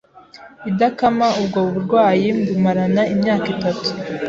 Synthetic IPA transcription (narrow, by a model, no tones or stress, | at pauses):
idakamaubɡoβuβuɾɡwaːjimbumaɾanaimɲaːkitatu̥